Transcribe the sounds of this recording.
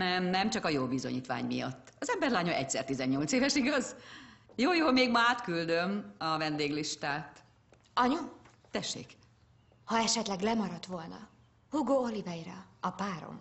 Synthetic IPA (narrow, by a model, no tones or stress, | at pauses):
nɛmnɛmt͡ʃɒkɒjoːbizo̞̰ɲiːt̪ʋa̰ːɲmijɒ̰t̪ːɒzɛmbɛrlaːɲoʔɛcsɛ̰rt̪izɛɲɲo̞lt̪seːvɛʃiɡɒzjoːjoːmeːɡmaːt̪kyld̪ømɒvɛnd̪eːɡliʃt̪aːt̪ | ɒɲu | t̪ɛʃːḛːk | hɒɛʃɛt̪lɛɡlɛmɒɾɒt̪ʋo̞lnɒ̰ | huɡoolivɛjiɾɒɒpaːɾo̰m